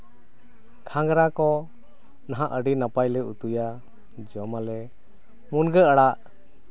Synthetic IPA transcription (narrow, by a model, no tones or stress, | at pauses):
kʰaŋɡɾakɔ | naɦãʔəɖinapajlɛut̪uja | d͡ʒɔmalɛ | munɡəəɽaʔ